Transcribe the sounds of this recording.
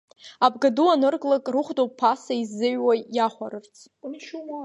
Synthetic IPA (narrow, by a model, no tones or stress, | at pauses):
abɡaduanɨrkʼlakʼrɨχʷdopʰːasaizːɨɥwajaχʷaɾɨrt͡sʰʼ